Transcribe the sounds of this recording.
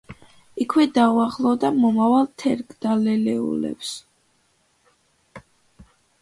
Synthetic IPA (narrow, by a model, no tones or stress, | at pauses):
ikʰwɛd̪auaχlˠɔd̪amɔmavalˠt̪ʰɛɾɡʰd̪̥alɛlɛṵlɛ̰ps